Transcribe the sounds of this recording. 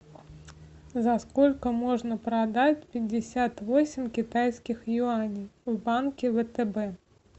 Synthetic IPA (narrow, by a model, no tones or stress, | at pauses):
zɐsko̞lʲkəmo̞ʐnəpɾɐd̪atʲpʲɪdʲːɪsʲat̪vo̞sʲɪmʲkʲɪt̪ajskʲɪxjʊanʲijvbankʲɪvət̪ɛbɛ